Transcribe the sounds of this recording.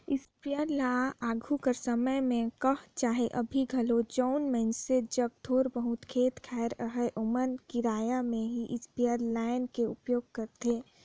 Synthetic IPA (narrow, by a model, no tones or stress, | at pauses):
ɪspijəɾlaaːɡʱukəɾsəməmẽkəɦt͡ʃaːɦeʔɐbʱiɡʱəlod͡ʒɔʊnmɛ̃nsed͡ʒəɡ̚t̪ʰoːɾbəɦʊt̪kʰeːt̪kʰɛːɾəɦəʔomənkiɾaːjamẽɦiʔɪspijəɾlaːɪnkeʊpjoːɡ̚kəɾt̪eː